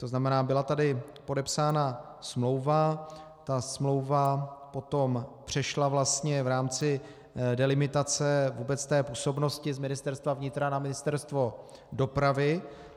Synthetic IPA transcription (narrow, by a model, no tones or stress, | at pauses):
t̪o̞znamɛnaːbɪlat̪adɪpo̞dɛpsaːna | smlo̞wva | t̪asmlo̞wvapo̞t̪o̞mpr̝̥ɛʃlavlast̪ɲɛvɾaːmt͡sɪ | dɛlɪmɪt̪at͡sɛvuːbɛt͡st̪ɛːpuːso̞bno̞scɪzmɪnɪst̪ɛɾst̪vavɲɪt̪ɾanamɪnɪst̪ɛɾst̪vo̞ | do̞pɾavɪ